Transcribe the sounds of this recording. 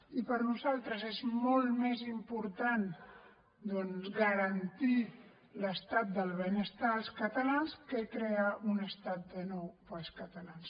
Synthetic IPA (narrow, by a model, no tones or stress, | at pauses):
ipəɾnuzalˠt̪ɾəzezmɔlˠmezimpuɾt̪an | d̪ɔnzɣəɾənt̪i | ləst̪at̪̚d̪əlˠβənəst̪aːlˠskət̪əlanskəekɾeaʔunəst̪at̪̚d̪ənowpalˠskət̪əlans